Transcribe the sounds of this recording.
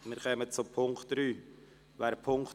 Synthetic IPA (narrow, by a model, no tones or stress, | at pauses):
mɪɾχœmət͡sʊpʰʊŋkχtɾyː | væːɾpʰʊŋk